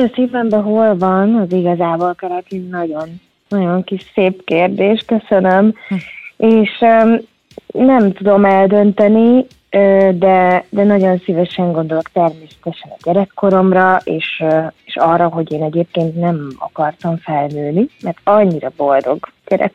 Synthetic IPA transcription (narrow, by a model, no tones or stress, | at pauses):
ɛseːvɛmbɛɦo̞lvɒnɒziɡɒzaːbolkɛɾɛk̪innɒɟo̞nː | ɒɟo̞ŋkiʃseːpkeːrd̪eːʃkø̞sønøm | eːʃ | nɛmt̪ud̪o̞mɛld̪ø̞nt̪ɛni | ød̪ɛd̪ɛnɒɟo̞nsivɛʃɛŋɡo̞nd̪o̞lo̞kt̪ɛrmeːsɛ̥t̪ɛʃɛnɒ̰ɟɛɾɛkːo̞ɾo̞mrɒʔeːʃeʃɒrːɒɦo̞ɟeːnɛɟeːp̚keːnt̪nɛmɒ̰kɒrt̪ɒɱfɛlnøːnimɛrt̪ɒɲːiɾɒbo̞ld̪o̞̰ɡɟ̥ɛɾɛ̰k